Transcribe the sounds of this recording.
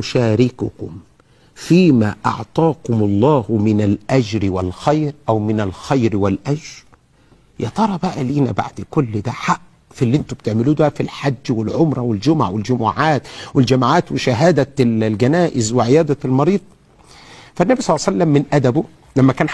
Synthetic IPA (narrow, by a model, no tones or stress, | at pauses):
ʃæːɾɪkʊkʊm | fiːmæ̰ːʔɑ̰ʕt̪ˤɑːkʊmɑlˤːɑːhʊmɪnælʔæd͡ʒɾɪwælxæjɾʔæwmɪnælxajɾwælʔæd͡ʒɾɾˤ | jɑt̪ˤɑɾˤɑbæʔæliːnæ̰ba̰ʕd̪kʊlːd̪æħaʔ | filːiʔent̪omb̚t̪eʕmɪluːd̪ææfilħad͡ʒːwɪlʕomɾˤɑwɪld͡ʒʊmʕwɪld͡ʒʊmuːʕaːt̪wɪld͡ʒæmaʕaːt̪wɪʃæɦæːd̪ælɡænæːʔɪzweʕejæːd̪ælmɑɾiːd̪̚ˤ | fænːæbisˤɑlːsælːæmːɪnʔæd̪æbʊ | læmːækæːn